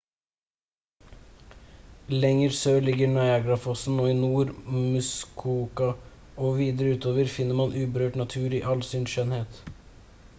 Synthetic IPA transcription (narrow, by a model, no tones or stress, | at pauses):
lɛŋəɾsøːlɪɡəɾnɑɪɑɡɾɑfɔsn̩oːɪnuːɾmʉskʰuːkɑ | oːʋiːd̪əɾəʉːt̪ʰoːʋəɾfɪnːəɾmɑnʔʉːbəɾøːʈnɑt̪ʰʉːɾiːʔɑlsʏnʃœnheːt̪